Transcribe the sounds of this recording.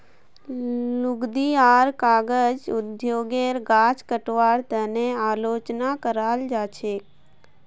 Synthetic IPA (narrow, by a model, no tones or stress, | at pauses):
lʊɡd̪iaɾkaɡəd͡ʒʊd̪joːɡeɾɡat͡ʃkəʈʋaɽt̪əneaːlot͡ʃnakəɾald͡ʒat͡ʃʰe